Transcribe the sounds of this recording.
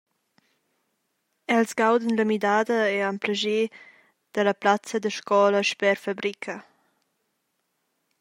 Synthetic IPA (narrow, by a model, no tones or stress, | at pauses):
ɛlsɡawd̪ənləmidaːd̪əɛampləʒe | d̪̥ələplat͡səd̪əʃkɔləʃpɛɾfabɾikʰə